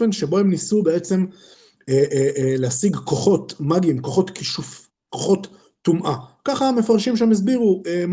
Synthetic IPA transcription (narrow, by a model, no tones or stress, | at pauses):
enʃe̞bo̞hemnisubee̞t͡se̞m | elehasiɡko̞χo̞t̪maɡimkoχo̞t̪kiʃuf | koχo̞t̪ː | umʔakaχaːme̞faʁʃimʃemes̬biʁuem